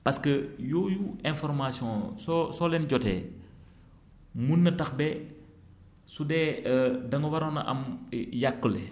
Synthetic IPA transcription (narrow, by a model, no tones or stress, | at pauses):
pɐskəjɔːjuɛ̃nfɔrmasjɔ̃sɔsɔlɛnɟɔtɛ̰ | munːɐtɐxbɛ | sudɛːdɐŋəwɐɾɔnɐ̰ʔɐ̰mjakːəlɛ